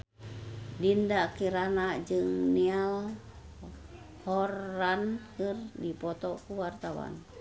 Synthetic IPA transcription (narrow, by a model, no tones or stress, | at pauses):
dindakiɾanaʔd͡ʒɨŋnial | hɔrankɨrdipɔt̪ɔkuwart̪awa̰n